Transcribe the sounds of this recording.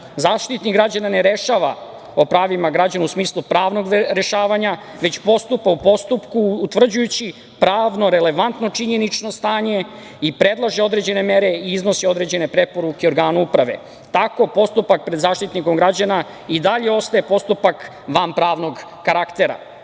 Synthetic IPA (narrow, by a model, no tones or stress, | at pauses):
zaːʃt̪it̪nikɡɾad͡ʑanane̞ɾe̞ʃaʋa | o̞pɾaːʋimaɡɾad͡ʑanuusmiːslˠupɾaːʋno̞ɡɾe̞ʃaːʋaɲa | ʋe̞t͡ɕpo̞st̪upaupo̞st̪upkuːt̪ʋr̩d͡ʑujut͡ɕi | pɾaːʋno̞ɾe̞le̞ʋant̪no̞t͡ʂiɲe̞nit͡ʂno̞st̪aːɲe̞ | ipɾed̪lˠaʒeo̞d̪ɾe̞d͡ʑe̞ne̞meɾe̞iizno̞sio̞d̪ɾe̞d͡ʑe̞ne̞pɾe̞po̞ɾukeoɾɡaːnuupɾaʋe̞̰ | t̪ako̞po̞st̪upak̚pɾed̪zaːʃt̪it̪niko̞mɡɾad͡ʑana | id̪aʎe̞o̞st̪ae̞po̞st̪upak | ʋampɾaːʋno̞ɡːaɾakt̪e̞ɾa̰